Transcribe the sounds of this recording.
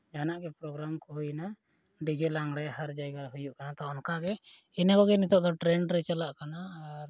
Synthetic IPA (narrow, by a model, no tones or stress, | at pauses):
d͡ʒanaʔɡɛpɾɔɡɾamkɔɦujna | ɖid͡ʒɛlaŋɡɽɛhaɾd͡ʒajɡaɾɦujuʔkanat̪aɔnkaɡɛ | inakɔɡɛnit̪ɔʔd̪ɔʈɾɛɳɖɾɛt͡ʃalaʔkanaɾ